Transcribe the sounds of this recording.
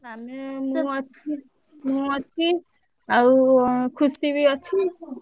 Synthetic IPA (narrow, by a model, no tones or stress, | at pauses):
amemuɔtʰi | muɔtʰi | aukʰusiβiɔt͡ʃʰi